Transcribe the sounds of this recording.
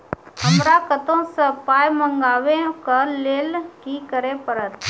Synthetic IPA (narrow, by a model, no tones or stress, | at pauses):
əmɾakət̪õsəpaːjmə̃ŋɡaːwẽkəleːlkikəɾẽpəɾət̪